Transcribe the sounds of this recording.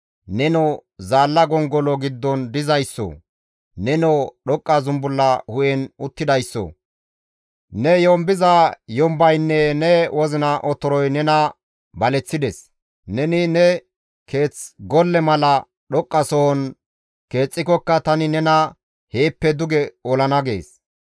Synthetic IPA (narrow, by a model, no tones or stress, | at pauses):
nɛnɔzaːlːɐɡɔŋɡɔlɔɡɪd̪ːɔnd̪ɪzɐjsːɔ̰ | nɛnɔɗɔkʼːɐzʊmbʊlːɐhʊjɛnʊt̪ːɪd̪ɐjsːɔ̰ | nɛjɔmbɪzɐjɔmbɐjnːɛnɛwʔɔzɪnɐʔɔt̪ːɔɾɔjnɛnɐ | bɐlɛt͡sːɪd̪ɛs | nɛnɪnɛ | kʰe̞ːt͡sɡɔlːɛmɐlɐ | ɗɔkʼːɐsɔhɔn | ke̞ːt͡sʼːɪkɔkːɐt̪ɐnɪnɛnɐ | he̞ːpːɛd̪ʊɡɛɔlɐnɐɡe̞̰ːs